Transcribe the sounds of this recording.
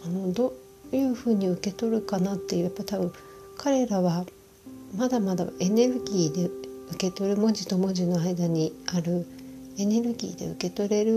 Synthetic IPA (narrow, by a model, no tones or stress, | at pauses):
ano̞d̪o | jɯ̟ːɸɯ̟ːɲ̟iɯ̟ke̞t̪o̞ɾɯ̟kanat̪ːe̞jɯ̟japːat̪abɯ̟̃ | kʰaɾe̞ɾaβa | mad̪amad̪a̰e̞ne̞ɾɯ̟ɡʲiːd̪e̞ɯ̟ke̞t̪o̞ɾɯ̟mo̞ʑit̪o̞mo̞ʑino̞aid̪aɲ̟iaɾɯ̟ | e̞ne̞ɾɯ̟ɡʲḭːd̪e̞̰ɯ̟ke̞t̪o̞ɾe̞ɾɯ̟